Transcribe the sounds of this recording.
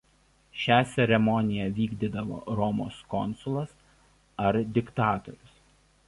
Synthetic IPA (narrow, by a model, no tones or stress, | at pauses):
ʃʲæːt̪sʲɛɾʲɛmɔnʲɪjɛʋʲiːɡd̪ʲid̪ɐʋo̰ːɾɔmo̰ːskɔnsʊlˠɐs | ɐɾd̪ʲɪkt̪ɑːt̪ɔ̰ɾʲʊs